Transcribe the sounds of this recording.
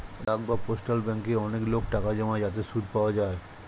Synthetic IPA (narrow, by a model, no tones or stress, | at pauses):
ɾak̚baposʈalbɛŋkeɔneklokʈakad͡ʑɔmad͡ʑat̪̬esud̪ʱpaoad͡ʑae